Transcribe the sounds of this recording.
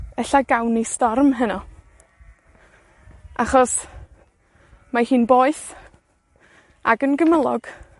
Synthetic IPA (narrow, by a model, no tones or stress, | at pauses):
ɛɬaɡawnestɔrmɦənɔ | ʔaχɔs | mahiːnboːɨθ | aɡənɡəməlˠɔ̰ɡ̥